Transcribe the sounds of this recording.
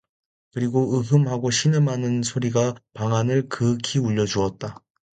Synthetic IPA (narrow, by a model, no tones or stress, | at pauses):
kɯɾiɡoɯɦɯmɦaɡoɕʰinɯmɦanɯnsʰoɾiɡapaŋanɯɭkɯkʰiuʎːʌd͡ʑuʌt̚t͈a